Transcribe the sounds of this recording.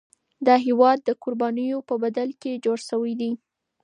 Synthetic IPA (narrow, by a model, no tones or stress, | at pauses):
d̪ɑɦewɑd̪ːəkʊɾbɑnəjopəbad̪alked͡ʒoɽʃəwəjd̪i